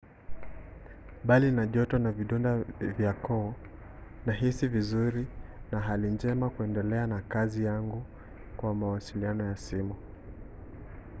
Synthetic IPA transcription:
ɓalinaʄɔtɔnaviɗɔndavjakɔː | naɦisivizuɾinaɦalind͡ʒɛmakuɛndɛlɛanakazijaŋɡu | kwamawasilianɔjasimu

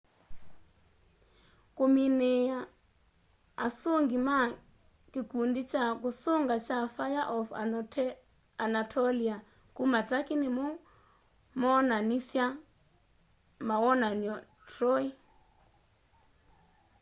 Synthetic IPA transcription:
kominea | asoŋɡima | kikundit͡ʃakusoŋɡat͡ʃafajaʔɔf | anatʰɔlia | kumat͡sakinimɔ | mɔnanisja | mawɔnaniɔ | tʰrɔi

